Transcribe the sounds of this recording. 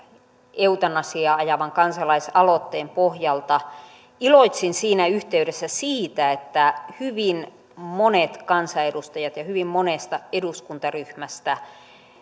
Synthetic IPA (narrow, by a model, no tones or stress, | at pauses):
eut̪ɑnɑsiɑɑjɑʋɑŋkɑnsɑlɑisɑlot̪ːeːmpohjɑlt̪ɑ | iloit̪sinsiːnæyht̪eyɾesːæsiːt̪æet̪ːæhyʋin | monet̪kɑnsɑedust̪ɑjɑt̪jɑhyʋimmonest̪ɑeduskunt̪ɑryhmæst̪æ